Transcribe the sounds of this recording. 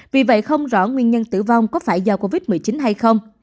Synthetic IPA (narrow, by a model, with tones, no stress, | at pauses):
vi˨˩və̰˧˨jxə˧wŋ͡mzɔ̰˧˩ŋwi˧ənɲə˧nt̪ɨ̰˧˩va˧wŋ͡mkɔ˨˦faː˧˩jzaː˨˩ko˧vi˦˥t̚mɨ˨˩əjt͡ɕi˨˦nɦa˧jxə˧wŋ͡m